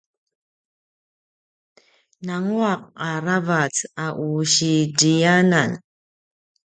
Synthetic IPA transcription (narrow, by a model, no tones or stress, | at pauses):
naŋuaq̚aɾavat͡saʔuɕiɟijanan